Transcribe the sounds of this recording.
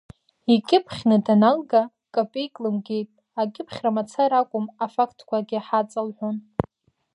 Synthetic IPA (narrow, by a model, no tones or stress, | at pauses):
ikʲʼɪpʰχʲnɨdanalɡa | kʼapʼejkʼlɨmɡʲe̞jtʼ | akʲʼɪpʰχʲramat͡sʰaɾakʷʼʊmafakʰtʰkʷʰaɡʲɪaħat͡sʼɨlħʷon